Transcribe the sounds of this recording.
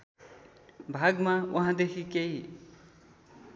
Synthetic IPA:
bʱaɡmawʔɐɦãd̪ekʰikeɦi

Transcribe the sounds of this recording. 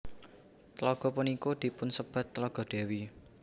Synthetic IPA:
t̪əlɔɡ̥ɔ̤punikod̪̥i̤pʊnsəb̥a̤t̪ːəlɔɡ̥ɔ̤d̥e̤wi

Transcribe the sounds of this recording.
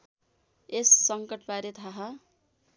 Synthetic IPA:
esːʌŋkʌʈpaɾet̪ʰaɦa

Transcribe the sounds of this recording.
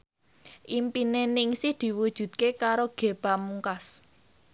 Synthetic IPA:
ʔimpinenɪŋsɪhd̪̥i̤wud̥ʒ̥ṳt̪̚kekaɾoɡ̥e̤b̥amuŋkas

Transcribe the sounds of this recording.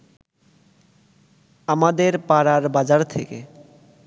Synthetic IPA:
amad̪eɾpaɾaɾbad͡ʑaɾt̪ʰeke

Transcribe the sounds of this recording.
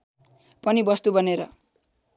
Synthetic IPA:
pʌnibʌst̪ubʱʌneɾʌ̰

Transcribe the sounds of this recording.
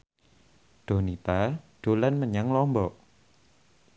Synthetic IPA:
ɖ̪̥o̤nit̪aɖ̥o̤lanməɲaŋlɔmbɔʔ

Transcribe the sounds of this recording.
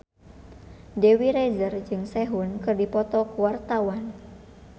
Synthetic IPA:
dewiɾɛzərd͡ʒɨŋsɛɦunkɨrdipɔt̪ɔkuwart̪awan

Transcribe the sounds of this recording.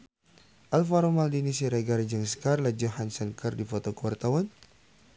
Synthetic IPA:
ʔalfaɾomaldinisiɾaɡaɾd͡ʒəŋskarlad͡ʒɔɦansənkərdifot̪okəwart̪awan

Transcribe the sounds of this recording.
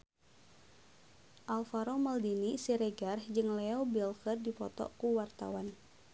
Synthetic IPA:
ʔalfaɾomaldinisiɾɛɡarhd͡ʒɨŋlɛɔbilkərdipɔ̰t̪ɔ̰kuwart̪a̰wan

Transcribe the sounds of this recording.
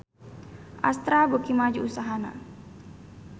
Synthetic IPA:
ʔast̪ɾabokimad͡ʒuusaɦana̰

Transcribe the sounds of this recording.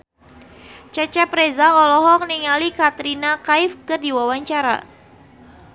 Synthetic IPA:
t͡ʃat͡ʃɛpɾezaɔlɔɦɔk̚niŋalikat̪ɾinakaifkɨrdiwawaɲt͡ʃaɾa̰

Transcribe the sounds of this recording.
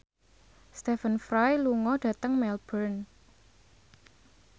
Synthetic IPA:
st̪ɛfənfɾajluŋɔɖ̥ä̤t̪əŋmɛlb̥ərn

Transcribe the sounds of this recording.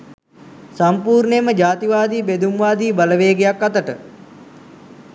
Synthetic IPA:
sampuːɾneməd͡ʒaːt̪iʋaːd̪iːbed̪umʋaːd̪iːbaləʋeːɡejakːat̪əʈə

